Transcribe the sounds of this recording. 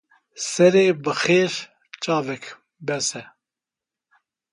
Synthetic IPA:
sɛɾeːbɨxeːɾ | t͡ʃʼɑːvɛk | bɛsɛ

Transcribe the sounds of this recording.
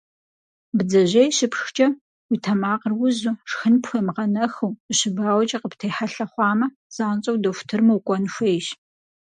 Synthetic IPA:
bɨd͡zɐʒʑejɕɪpxt͡ʃʼɐ | witʰɐmaːqərwʊzuʂxɨnpxʷɐmʁɐnɐxɐwɕɪbaːwt͡ʃʼɐqəptʰejħaɬɐχʷɑːmɐ | z̥aːnt͡ʃʼɐwdɐfʷtʰɨrmɐwkʷʼɔnʃʷejɕ

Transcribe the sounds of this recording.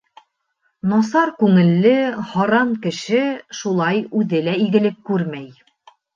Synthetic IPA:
nɑsɑɾkʉŋɘ̆lːɘhɑɾɑŋkɘ̆ʃɘʃulˠɑjʉðɘlæiɡɘ̆lɘp̚kʉɾmæj

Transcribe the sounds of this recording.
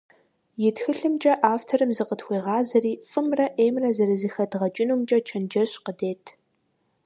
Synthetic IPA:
jɪtxɨɬɨmt͡ʃʼɐʔaːftʰɐɾɨmzɨqətxʷeːʁɑːzɐriːfʼɨmrɐʔeːmrɐzɐɾɨzɨxɐdʁɐt͡ʃʼɪnuːmt͡ʃʼɐt͡ʃʰɐnd͡ʒɐɕqədeːtʰ

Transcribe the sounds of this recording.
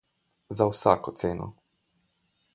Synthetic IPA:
zawsaːkot̪seːno̰

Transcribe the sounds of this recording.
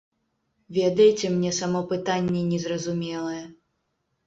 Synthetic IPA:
vʲɛd̪ɐjt͡sʲɛmnʲɛsamɔpɨt̪anʲːɛnʲɛzrɐzumʲɛlˠɐjɛ

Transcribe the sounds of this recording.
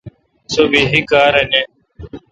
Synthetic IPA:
soːbiːɦikaːɾeːneː

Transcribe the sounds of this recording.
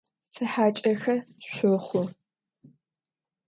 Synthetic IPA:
sɨħaːt͡ʃʼɐxɐɕʷʊχʷʊ

